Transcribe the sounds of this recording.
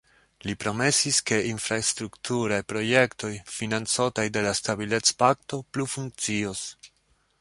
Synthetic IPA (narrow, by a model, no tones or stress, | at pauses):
lipɾo̞me̞siske̞ʔinfɾastɾuktʰuɾajpɾo̞je̞kto̞jfinant͡sotajde̞lastabile̞t͡spakto̞plufuŋk̚t͡sio̞s